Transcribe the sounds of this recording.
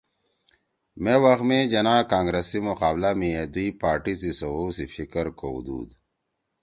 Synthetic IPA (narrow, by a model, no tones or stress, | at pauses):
mewɐxmẽd͡ʑɐnãːkaːŋɡɾesimuqaːblamied̪ipaːɾʈisisɐwosifʰikəɾkoṵd̪ṵːd̪